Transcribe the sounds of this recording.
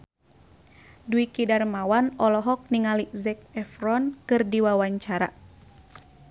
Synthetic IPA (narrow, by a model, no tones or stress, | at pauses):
duikidarmawanɔlɔɦɔk̚niŋalizɛk̚ɛfɾɔnkɨrdiwawaɲt͡ʃaɾa̰